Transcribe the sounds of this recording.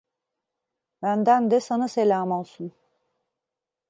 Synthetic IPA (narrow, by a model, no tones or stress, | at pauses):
bænd̪ænd̪ɛsanaselʲaːmolˠsun